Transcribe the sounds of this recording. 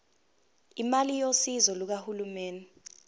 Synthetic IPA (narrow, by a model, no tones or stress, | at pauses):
imalijosizɔluk̬ahulumeːnɛ